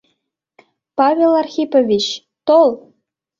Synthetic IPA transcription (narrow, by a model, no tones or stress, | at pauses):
pɑvʲelˠɑrxʲipovʲit͡ɕ | t̪olˠ